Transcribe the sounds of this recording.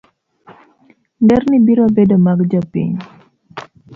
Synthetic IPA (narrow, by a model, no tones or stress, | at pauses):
ndɛrnibiɾobedomaɡd͡ʒɔpḭɲ